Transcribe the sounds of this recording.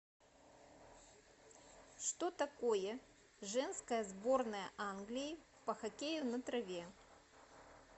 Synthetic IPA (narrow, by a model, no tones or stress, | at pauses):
ʂt̪o̞t̪ɐko̞jə | ʐɛnskəjəzbo̞rnəjəʔanɡlʲɪjɪ | pəxɐkʲejʊnɐt̪ɾɐvʲe